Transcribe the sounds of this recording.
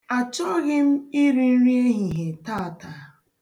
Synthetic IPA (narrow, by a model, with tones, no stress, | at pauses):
a˨t͡ʃɔ˦ɣɪ˦m̩˦i˦ɾi˦n̩˦ɾi˦e˦ɦi˨ɦe˨ta˦a˨ta˨